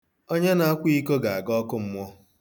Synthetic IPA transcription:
o˦ɲe˦na˨a˦kʷi˦ko˦ɡa˨a˨ɡɔ˦kʊ˦m̩˦mɔ˦

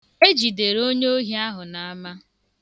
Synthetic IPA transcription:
e˦d͡ʒi˨de˨ɾo˦ɲ˦o˦ɦi˦a˦ɦʊ˨na˨a˦ma˦

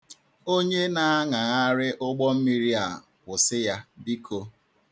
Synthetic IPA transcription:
o˦ɲe˦na˨a˦ŋa˨a˦ɾɪ˦ʔʊ˦ɡ͡bɔ˦m̩˦mi˦ɾi˦a˨ | kʷʊ˨sɪ˦ja˦bi˦kʰo˦

